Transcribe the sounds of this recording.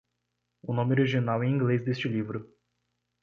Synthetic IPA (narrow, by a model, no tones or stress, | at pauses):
unõmʲoɾiʒinawɛĩŋɡlezd̪est͡ʃɪlivɾʊ